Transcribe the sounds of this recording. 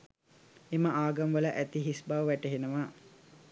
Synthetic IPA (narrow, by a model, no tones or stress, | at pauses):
eməaːɡɐmʋələʔæt̪iɦisbaʋəʋæʈəɦenəʋa